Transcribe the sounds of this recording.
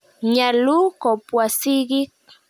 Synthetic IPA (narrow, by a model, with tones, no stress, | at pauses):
ɲalu˦ko˨pwasɪɢɪ˦k